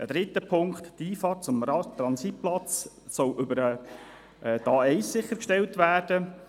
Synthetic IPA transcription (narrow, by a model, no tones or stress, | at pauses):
əd̥̪ɾɪt̪ːəpʰʊŋkχttiːfɑːt̚t͡sʊmɑt̪ɾɑnsit̚plɑt͡s | sɔlʔʏbəɾə | ʔdɑːɛɪssɪχːəɾkʃtɛltvæːɾd̥ə